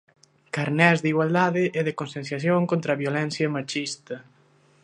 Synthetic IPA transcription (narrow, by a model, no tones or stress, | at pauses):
kaɾnɛzðiɣwald̪aðɪʔɛðekonsẽnθjaθjoŋkõnt̪ɾaβjolɛnθjɐmat͡ʃist̪ɐ